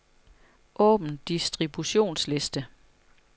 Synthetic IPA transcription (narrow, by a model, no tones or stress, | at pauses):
ʔɔ̰̽ːb̥n̩d̥isd̥ʁib̥uɕo̝̰ːnsle̝sd̥ə